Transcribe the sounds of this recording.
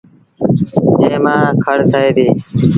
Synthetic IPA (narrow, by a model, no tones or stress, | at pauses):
d͡ʒẽːmãːkʰəɽt̪ʰəeːd̪eː